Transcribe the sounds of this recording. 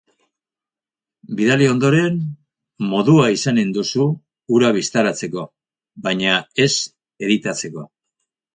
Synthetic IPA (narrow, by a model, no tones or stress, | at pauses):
biðalio̞nd̪o̞ɾe̞n | mo̞ðuaisanend̪usuː | ɾaβ̞ist̪aɾat͡se̞ko̞ | βaɲae̞s | e̞ðit̪at͡se̞ko̞̰